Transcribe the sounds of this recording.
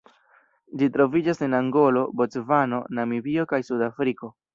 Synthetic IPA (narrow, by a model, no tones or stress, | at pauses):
d͡ʒitɾo̞vid͡ʒase̞naŋɡo̞lo̞bot͡svano̞namibio̞kajsudafɾiko̞